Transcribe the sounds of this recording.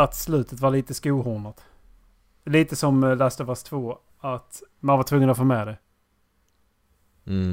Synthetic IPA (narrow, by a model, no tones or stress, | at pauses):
at̪slʉ̟ːt̪ʰət̪valiːt̪əskuːhʊɳat̪ | liːt̪əsɔmlæst̪əvast̪ʰvoː | at̪ | manvaʈ̪ʰvɵŋːənɔfoːmɛd̪ɛ